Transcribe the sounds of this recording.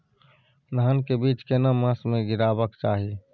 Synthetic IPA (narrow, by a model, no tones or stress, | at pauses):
nəɦənkebiːt͡ʃkenamãːsmẽɡɪɾaːbəkt͡ʃaːɦi